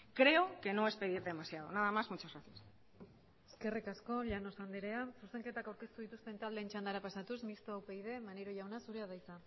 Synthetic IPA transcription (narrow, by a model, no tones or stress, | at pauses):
kɾe̞oke̞no̞e̞spe̞ðiɾðe̞masjaðonaðamazmut͡ʃazɣaθias | e̞̥ske̞rikasko̞ʎano̞sand̪eɾe̞asuse̞ŋke̞t̪akawɾke̞st̪uð̞it̪ust̪e̞nt̪ald̪e̞ːnt͡ʃand̪aɾapasat̪usmist̪oːpejðe̞maneɾoʝawnasuɾe̞aðajt͡sa